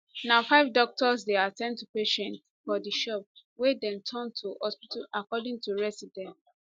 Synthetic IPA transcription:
naʊfaɪvdɔk̚tɔsdeatɛ̃ndtupeʃɛ̃ntsfɔdiʃɔp̚ | wedɛ̃ntʰɔ̃ntʰuhɔspitʰalʔakɔdĩŋtuɹɛsidɛ̃nt

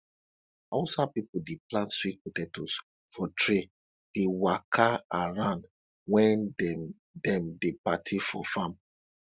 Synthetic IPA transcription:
ɔsapipudeplãntswit̚putɛtus | fɔtɹe | d̥ewakʰaaɹãnd | wɛ̃n | dɛ̃mdepatʰifɔ̰fãm

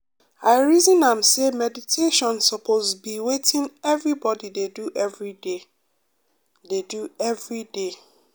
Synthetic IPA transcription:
aɪɹizĩnãmsemɛditʰeʃɔ̃nsɔpʰozbiwetĩnɛvɹibɔdideduʔɛvɹide | deduɛvɹide

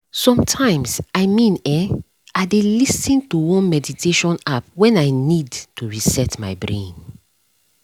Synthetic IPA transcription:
sɔ̃mtʰãɪ̃msaɪmĩnɛ | aɪdelisĩntuwɔ̃nmɛditʰeʃɔ̃nap̚wɛ̃naɪnidtuɹisɛtmaɪbɹḛ̃n

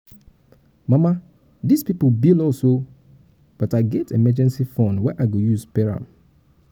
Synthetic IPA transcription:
mama | dizpiplbilɔlso | b̥ɔtaɪɡɛtʰemɛd͡ʒɛ̃nsifɔ̃nwɛʔaɪɡojuzpɛɹã̰m

